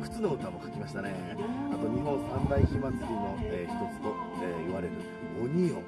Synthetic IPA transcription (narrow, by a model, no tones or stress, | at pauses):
kɯ̥t͡sɨnoot̪amokḁkʲimaɕi̥t̪ane̞ | at̪o̞ɲ̟iɦõ̞sãmbaikʲimãnkimoeːçi̥t̪o̞t͡sɨ̥t̪o̞eːiβaɾe̞ɾɯ̟ | oɲ̟io̰